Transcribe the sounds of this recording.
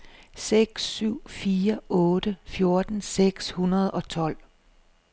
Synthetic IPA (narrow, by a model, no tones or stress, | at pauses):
seɡ̥sːyʊ̰fiːɐɔːd̥əfjo̝ɐd̥n̩seɡ̥shunɐð̞̩ˠɒ̽t͡sʰɒ̽l̰